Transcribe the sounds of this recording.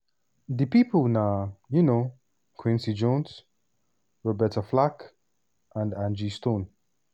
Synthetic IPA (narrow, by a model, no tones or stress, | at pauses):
ðəpipʰəlˠnajuno | kʰwɪ̃nsid͡ʒɔ̃ns | ɹɔbɛtəflak | ʔãndãnd͡ʒistõn